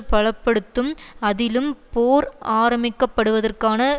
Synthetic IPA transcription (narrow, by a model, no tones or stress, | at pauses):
pɐɭɐpːɐɽɯt̪ːɯmɐðɪlɯmpoːɾaːɾɐmɪkːɐpːɐɽɯʋɐðɐrkaːnɐ